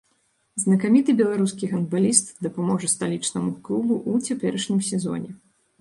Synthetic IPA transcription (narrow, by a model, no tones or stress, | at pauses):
znɐkamʲit̪ɨbʲɛlˠaɾuskʲiɣɐnd̪balʲist̪d̪ɐpamɔʐɐst̪alʲit͡ʂnɐmuklˠubuʔut͡sʲapʲɛɾɐʂnʲimsʲɛzɔ̰nʲɛ